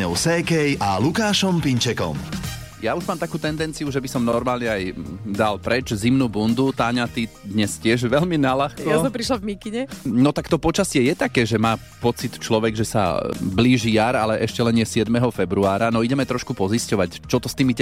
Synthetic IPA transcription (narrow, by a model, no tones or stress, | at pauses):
ɲɔ̰ʊsɛkɛjalukaːʃɔmpiɲt͡ʃɛkɔ̰m | jauʒmaːmt̪akuːt̪ɛnd̪ɛnt͡siuʒɛbisɔmnɔɾmaːlɲɛajd̪alpɾɛt͡ʃzimnuːbund̪ut̪aːɲat̪id̪ɲɛscɪɛʒʋɛʎminalaxkjɔjasɔmpɾiʃlavmikiɲɛnɔt̪akt̪ɔpɔt͡ʃasɪɛjɛt̪akɛːʒɛmaː | pɔt͡sit̪t͡ʃlɔʋɛɡʒɛsa̰bliːʒiːjaːɾalɛʔɛʃcɛlɛnɪjɛsɪɛd̪mɛɦɔfɛbɾuaːɾanɔiɟɛmɛt̪ɾɔʃkupɔziscɔʋact͡ʃɔt̪ɔst̪iːmi